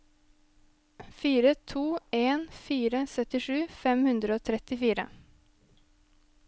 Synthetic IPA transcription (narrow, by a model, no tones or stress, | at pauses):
fiːɾət̪ʰuːeːnfiːɾəsœt̪ɪʂʉːfɛmhʉnd̪ɾəoːt̪ʰɾɛt̪ɪfiːɾə̰